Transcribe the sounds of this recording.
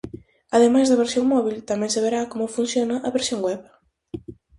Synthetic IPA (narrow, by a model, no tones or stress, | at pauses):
ɐðemajzðɐβeɾsjoŋmɔβilt̪amɛ̃ŋseβeɾakomʊfunθjonɐʔɐβeɾsjoŋɡwɛβ